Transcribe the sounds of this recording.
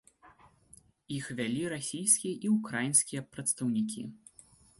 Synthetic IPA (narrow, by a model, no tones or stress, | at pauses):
ixvʲalʲiɾasʲijskʲijɐʔiukɾajinskʲijɐpɾɐt̪st̪ɐwnʲikʲḭ